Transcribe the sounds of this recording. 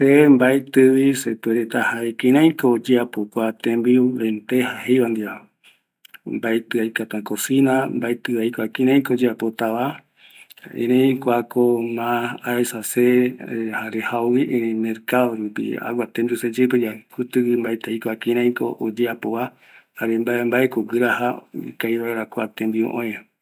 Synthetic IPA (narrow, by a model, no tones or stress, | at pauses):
sembaet̪ɨwisepeɾet̪ahaekĩɾ̃ãj̃koːd͡ʒeapokʷat̪ẽmbiuβẽnt̪ehahejβand̪ia | mbaet̪ɨajkat̪ãkosinambaet̪ɨajkoakĩɾ̃ãj̃kod͡ʒeapot̪aβa | ḛ̃ɾẽkʷakomãaesasehaɾehawwiʔẽɾẽmeɾkaðoɾupḭa̰wat̪ẽmbiused͡ʒet̪ojakut̪ɨwimbaet̪ejkoakĩɾ̃ãj̃ko̰ʔod͡ʒeapoβa | haɾembambaekoɡɨɾaɦaikajβaeɾakoat̪ẽmbiṵʔõẽ